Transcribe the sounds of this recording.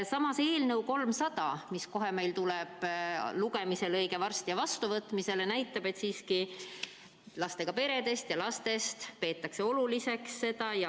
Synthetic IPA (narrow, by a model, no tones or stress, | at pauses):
sɑmɑse̞ːlnɤwko̞lmsɑd̪̥ɑmisko̞ɦe̞me̞jlt̪ulɛb̥luɡe̞mise̞lɤjɡ̥e̞vɑrst̪ijɑvɑst̪uvɤt̪ːˑmise̞lenæjt̪ːˑɑb̥e̞t̪siːski | lɑst̪e̞ɡ̥ɑpe̞ɾe̞d̪e̞st̪jɑlɑst̪e̞st̪pe̞ːt̪ːˑɑkse̞o̞lulise̞ksːe̞d̪̥ɑjɑ